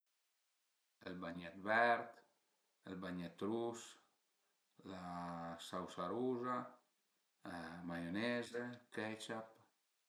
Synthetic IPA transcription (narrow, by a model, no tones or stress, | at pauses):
elbaɲat̪bɛɾt̪ | elbaɲet̪ɾus | lasawsaɾuza | amajonɛzekɛt͡ʃap